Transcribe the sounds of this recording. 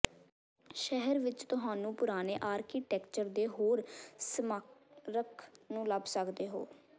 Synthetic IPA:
ʃɛɦəɾʋɪt͡ʃt̪ʊɦaːnũːpʊɾaːneːʔaːɾkiːʈɛːkt͡ʃəɾd̪eːɦoːɾsəmaɾəkʰnũːləbsəkd̪eːɦo̰ː

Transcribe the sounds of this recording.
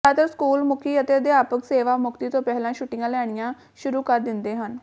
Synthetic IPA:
aːt̪əɾskuːlmʊkʰiːət̪eːd̪eːaːpəkseːʋaːmʊkt̪iːt̪õːpɛːlãːʃʊʈɪjãːlɛːɽ̃ɪjãː | ʃʊɾuːkəɾd̪ɪnd̪eːɦən

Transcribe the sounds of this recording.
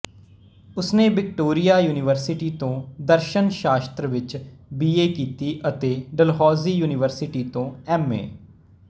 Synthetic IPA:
ʊsneːbɪk̚ʈoːɾɪjaːjuːnɪʋəɾsɪʈiːt̪õːd̪əɾʃənʃaːst̪ɾəʋɪt͡ʃbiːeːkiːt̪iːʔət̪eːɖəlɦɔːziːjuːnɪʋəɾsɪʈiːt̪õːɛːmḛː

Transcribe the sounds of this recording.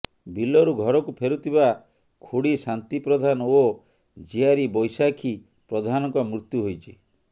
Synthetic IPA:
bilɔɾuɡʱɔɾɔkupʰeɾut̪ʰiβa | kʰuɽisant̪ipɾɔd̪ʱanɔo | d͡ʒiaɾibɔjsakʰi | pɾɔd̪ʱanɔŋkɔmɾut̪juɦojt͡ʃʰi

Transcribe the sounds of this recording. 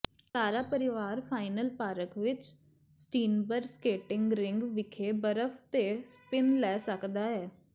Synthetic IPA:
saːɾaːpəɾɪʋaːɾpʰaːɪnəlpaːɾəkʋɪt͡ʃ | sʈiːnbəɾskeːʈɪŋɡɾɪŋɡʋɪkʰeːbəɾəfʰt̪eːspɪnlɛːsəkd̪aːɦɛː

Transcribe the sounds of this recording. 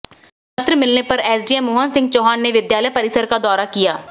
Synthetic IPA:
ət̪ɾəmɪlnepəɾɛːsɖiɛmoːɦənsɪ̃ŋɡt͡ʃɔːɦaːnːeːʋɪd̪jaːləjpəɾɪsəɾkad̪ɔːɾaːkijaː

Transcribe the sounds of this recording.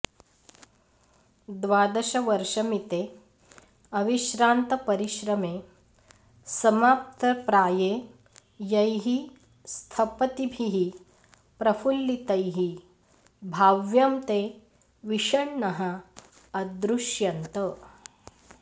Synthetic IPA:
d̪ʋaːd̪ɐʃɐʋɐɾʂɐmit̪eː | ɐʋiʃɾaːnt̪ɐpɐɾiʃɾɐmeː | sɐmaːp̚t̪ʰɐpɾaːjeː | jɐjɦi | st̪ʰɐpɐt̪ibʱiɦi | pɾɐfulːit̪ɐjɦi | bʱaːʋjɐmt̪eː | ʋiʂɐɳnɐɦɐː | d̪ɾuʃjɐnt̪ɐ

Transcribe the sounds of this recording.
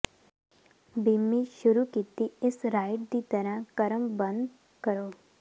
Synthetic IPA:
bimːiʃʊɾukit̪iɪsɾaːɪʈ̚d̪it̪ɐɾəɦkɐɾəmbə̃nd̪ | kəɾoː

